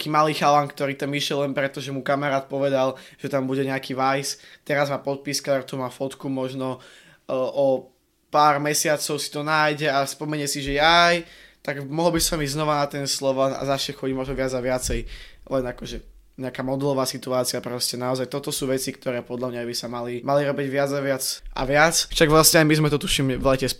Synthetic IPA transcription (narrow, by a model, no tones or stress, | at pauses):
akiːmaliːxaʋankt̪ɔɾiːt̪amiʃjɛllɛnpɾɛt̪ɔʒɛmukamaɾaːt̪̚pɔʋɛd̪alʒ̥ɛt̪ambuɟɛɲɛakiːʋajst̪ɛɾazmaːpɔt̪̚piskaɾt̪umaːfɔt̪kumɔʒnɔ | ʔɔ | paːɾmɛsɪat͡sɔʊsi̥t̪ɔnaːjɟɛaspɔmɛɲɛsiʒɛjajt̪aɡmɔɦlɔbisamiɟznɔʋanat̪ɛnslɔʋaa̰zasɛxɔɟimɔʒnɔʋɪad͡zaʋɪat͡sɛjlɛnakɔʒɛ | ɲɛakaːmɔd̪ulɔʋaːsit̪uaːt͡siɪapɾɛscɛnaɔzajt̪ɔt̪ɔsuːʋɛt͡sikt̪ɔɾɛːpɔd̪ʎamɲajbisamalimaliɾɔbiɟʋɪad͡zaʋɪat͡sʔa̰ʋɪat͡sʃaɡʋlasɲɛajmizmɛt̪ɔt̪uʃimʋlɛcɛs